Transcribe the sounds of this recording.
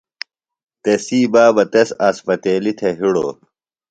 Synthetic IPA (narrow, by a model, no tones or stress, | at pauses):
t̪esiːbaːbɐt̪esaːspɐt̪eːlit̪ʰeɦiɽo̰ː